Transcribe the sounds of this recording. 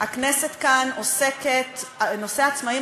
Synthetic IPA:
akneset̪kanoseket̪no̞seaːt͡smai

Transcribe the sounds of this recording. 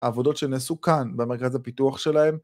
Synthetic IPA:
haːvo̞do̞tʃenasukanbeme̞ʁkazapituaχʃe̞lahe̞m

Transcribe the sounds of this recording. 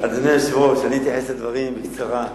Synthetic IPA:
ad̪anojaʃvoʃanit̪jaħesad̪vaʁimbikt͡saʁa

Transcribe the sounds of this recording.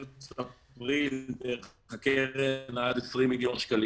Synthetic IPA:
apʁilbeχakeʁnaad̪esʁimːiljonʃkali

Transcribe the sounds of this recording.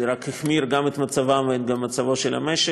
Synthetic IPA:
ɾakhixmiɾɡamet̪mat͡savamvet̪ɡamːat͡savoʃela̰meʃe

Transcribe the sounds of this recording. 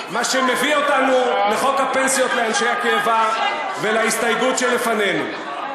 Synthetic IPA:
maʃeme̞vio̞tanuleχo̞khape̞nsijo̞tleanʃe̞jakeːva | velaist̪ajɡutʃelefane̞nṵ

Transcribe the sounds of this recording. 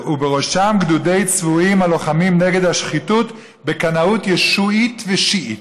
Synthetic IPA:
ubeʁo̞ʃamɡdude̞jt͡svuimhalo̞χamimneɡe̞d̪haʃχitut | bekanautjeʃuitveʃiʔit

